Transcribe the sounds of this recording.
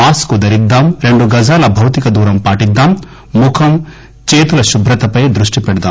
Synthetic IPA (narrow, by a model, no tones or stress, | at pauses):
aːskud̪ɐɾid̪ːaːmɾe̞ɳɖuɡɐd͡ʒaːlɐbʱɐwt̪ikɐd̪uːɾɐmpaːʈid̪ːaːmː | ukʰɐm | t͡ʃeːt̪ulɐʃubʱɾɐt̪ɐpɐjd̪ɾuʂʈipɛɽɐd̪aːm